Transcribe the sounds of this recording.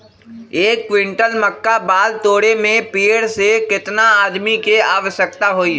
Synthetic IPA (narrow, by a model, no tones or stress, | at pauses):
eːkːwɪ̃ɳʈəlmɐkːabaːlt̪oːɽemẽpiːɽsekɪt̪naaːd̪mikeaːʋəʃjəkt̪aɦoːi